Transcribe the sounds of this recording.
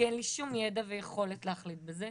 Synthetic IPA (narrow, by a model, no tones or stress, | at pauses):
enliʃumjedavejeχo̞letleaχlit̪̚beze